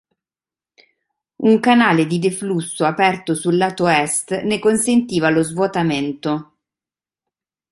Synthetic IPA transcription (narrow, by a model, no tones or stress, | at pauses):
uŋkanaːled̪id̪eflusːoapɛrt̪osulːaːt̪oɛst̪nekonsent̪iːvalozvwot̪ament̪o